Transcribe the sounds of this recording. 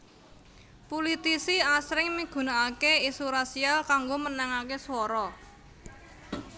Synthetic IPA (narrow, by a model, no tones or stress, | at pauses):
pulit̪isiasɾɪŋmiɡ̥ṳnaakeisuɾasialkaŋɡomənɛŋakeswɔɾɔ